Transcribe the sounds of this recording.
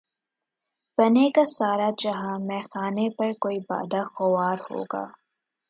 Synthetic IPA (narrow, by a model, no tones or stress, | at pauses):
b̥ɐnekasaːɾad͡ʒɐɦãmɛ̃ːxaːnepɐɾkoːiba̰ːd̪axʊwaːɾho̰ːɡa̰ː